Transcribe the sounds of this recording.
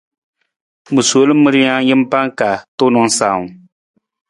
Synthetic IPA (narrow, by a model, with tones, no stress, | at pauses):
mu˨so˨˦lɨ˦m̩ː˦ɨ˦ɾɪ˦ɲa˦jɪ˦m̩˦pa˦ŋka˨tʊ˦nʊ˦ŋ˦saː˨ŋ˨